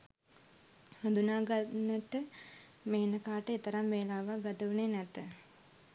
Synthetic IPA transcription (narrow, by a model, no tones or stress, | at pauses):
had̪unaːɡanətə | meːnəkaːʈəet̪əɾamʋeːlaːʋaɡad̪əʋunenɛt̪ə